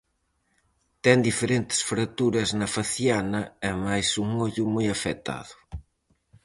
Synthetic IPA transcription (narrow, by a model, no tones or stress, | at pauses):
t̪ɛŋd̪ifeɾent̪ɪ̥sfɾat̪uɾɐznɐfaθjanɐɛmajsuŋoʎʊmojafɛt̪a̰ðʊ̥